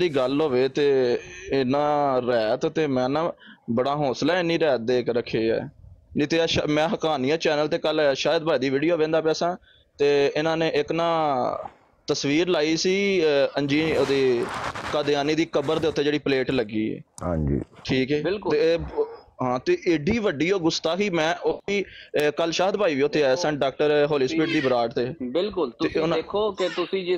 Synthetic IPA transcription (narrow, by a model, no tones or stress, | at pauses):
d̪iːɡəlɦoːʋeːt̪eːɪnãːɾɛːt̪t̪eːmɛ̃ːnãːbəɽaːɦoːslaːɪnːiːɾɛːt̪̚d̪eːkɾəkʰːeːɛ̰ːd͡ʒit̪eːʃmɛ̃ːɦəkaːnɪjãːt͡ʃɛːnəlt̪eːkəlːʃaːjəd̪baːid̪iːʋiːɖijoːʋẽːnd̪aːpɛːsãː | t̪eːɪnãːnẽːʔɪknãː | t̪əsʋiːɾlaːiːsiːənd͡ʒiːoːd̪eːkaːd̪ɪjaːniːd̪iːkəbəɾd̪eːʊt̪ːeːd͡ʒeːɽiːpəleːʈləɡḭːã̰ːɲd͡ʒḭːʈʰiːkɛːɪlkt̪e | ɦãːt̪eːʔɪɖiːʋəɖiːoːɡʊst̪aːkiːmɛ̃ːʔoiːkəlʃaːɦəd̪̚bʱaːiːʋiːʊt̪ʰːeːasə̃ɳʈɖaːk̚ʈəɾɦoːliːspiːʈ̚d̪iːbəɾaːʈt̪eːbɪlkʊlt̪eːʊnãkʰːoːket̪ʊsĩː